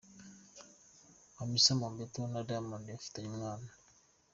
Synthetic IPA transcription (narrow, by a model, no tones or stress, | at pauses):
amisamambet̪onadamandɛft̪aɲiŋan